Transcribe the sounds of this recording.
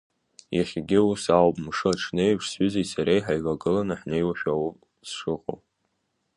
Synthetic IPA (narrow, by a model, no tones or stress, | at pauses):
jaχʲɡʲɪusawpʼmʂɨaʈ͡ʂʰnejpʂsʏzisaɾejħajʕʷaɡɨlanaħnejwaʃᶣawu | sʂɨqʼo̰wp